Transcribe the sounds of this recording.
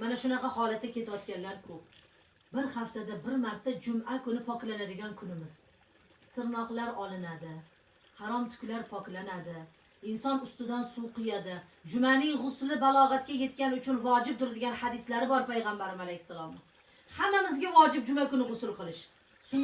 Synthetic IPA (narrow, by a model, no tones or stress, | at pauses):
manaʃʊnɑqʰɑhɒlˠat̪ːakʲʰe̞t̪ʰaɒt̪̚kʲanlaɾkʰɵp̚ | bɪɾhaft̪ad̪abɪɾmaɾt̪ʰːad͡ʒʊmakʊnɪpʰɒklanad̪ɪɡʲankʰʊnɪmɪz̥ | t̪ʰɪɾnɒqlˠaɾɒlˠɪnad̪ɪ | haɾɒmt̪ʰʊ̥kʲlaɾpʰɒkʲlanad̪ɪ | ɪnsɒnʊst̪ɪd̪ansuwqɨjad̪ɪd͡ʒʊmanɪŋʁʊslɪbalˠɒʁɑat̪̚kʲaje̞t̪̚kʲanʊt͡ʃʰʊnvɒd͡ʒɪp̚t̪ʰʊɾad̪ɪɡʲanhad̪ɪslaɾɪbɒɾpajʁɑmbaɾɪmalejkʲsalˠɒm | hamːamɪzɡʲavɒd͡ʒɪp̚d͡ʒʊmakʊnɪʁʊsʊlˠqɨlˠɪʃ | sʊ